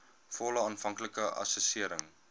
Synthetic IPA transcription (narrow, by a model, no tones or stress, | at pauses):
fɔləɑːnfɐŋkləkəʔɐ̰səsiəɾəŋ